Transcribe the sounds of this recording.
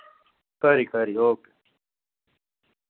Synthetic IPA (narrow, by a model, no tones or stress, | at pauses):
kɐɾikɐɾioːke̥